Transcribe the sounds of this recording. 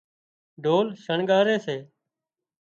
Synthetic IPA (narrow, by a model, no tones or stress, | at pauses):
ɖʱoːlʃəɳɠaːɾeːseː